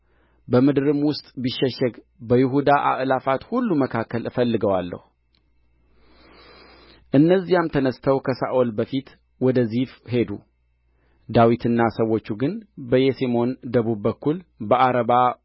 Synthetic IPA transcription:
bəmɨd̪ɨɾɨmwʊst̪ʼbiʃːɛʃːɛɡ | bəjɪɦud̪aʔa̰ʔlafat̪hulːuməkʰakːəlɨfəlːɨɡəwalːə̰hu | ʔɨnːəzːijamt̪ʰənəst̪ʰəwkʰəsa̰ʔolbəfit̪ | wɔd̪əzifɦe̞d̪u | d̪awit̪ʰɨnːasəwːo̞t͡ʃːuɡɨnbəjesemo̞nd̪əβubːəkːulbəʔaɾəβa

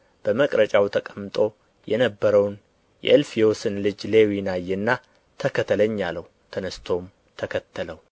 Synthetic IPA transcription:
b̥əməkʼɾət͡ʃʼawt̪ʰəkʼəmːt̪ʼo̞ | jɛnəbːəɾəwn | jɛ̰ʔɨlfijosɨnlɨd͡ʒle̞winajːɛnːa | t̪ʰəkʰət̪ʰːələɲːalːəhut̪ʰənəst̪ʰo̞m | t̪ʰəkʰət̪ːələw

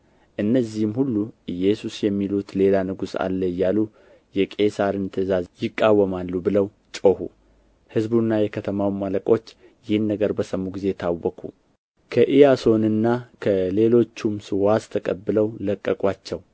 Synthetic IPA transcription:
ʔɨnːəzːihmhulːuʔɨjɛsusjɛmːilut̪le̞lanɨɡusa̰lːəjːalu | jɛkʼe̞saɾɨnt̪ʰəzazjɪkʼːawːəmalːubɨləw | t͡ʃʼohṵ | hɨzbunːajɛkʰət̪ʰəmawmːaləkʼo̞t͡ʃː | jɪhnːəɡəɾbəsəmːuɡize̞t̪ʰawːəkʰṵ | kʰəʔijaso̞nɨnːakʰəle̞lo̞t͡ʃːumsɨwast̪ʰəkʼəbːɨləwləkʼːəkʼwat͡ʃːɛw

